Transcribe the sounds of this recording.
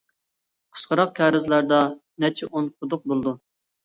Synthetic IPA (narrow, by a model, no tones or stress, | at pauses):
qʰə̥sqəɾɑq̚kʲʰɑːɾɪzlˠæɾd̪ɑnɛt͡ʃʰɪʔonqʰʊd̪ʊq̚bolˠd̪u